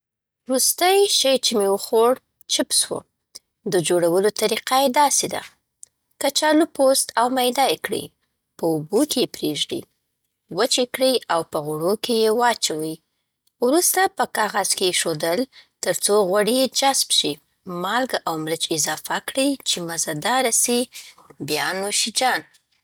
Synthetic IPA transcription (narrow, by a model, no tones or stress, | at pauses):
ɾust̪əjʃəjt͡ʃemewəxoɽ | t͡ʃɪpswo̰ | d̪əd͡ʒoɽawəlot̪aɾiqajed̪ɑsed̪a̰ | kat͡ʃɑlupost̪awmajd̪ɑjekɽə̰ | pəubokejepɾeʒd̪ḭ | wət͡ʃekɽəjawpəɣʊɽokejewɑt͡ʃawə | wɾust̪apəkɑɣaz̥kejeʃod̪əlt̪əɾt͡soɣwaɽijed͡ʒasbʃi | mɑlɡaʔawmɾət͡ʃɪzɑfakɽəjt͡ʃemazad̪ɑɾasi | bjɑnoʃid͡ʒɑn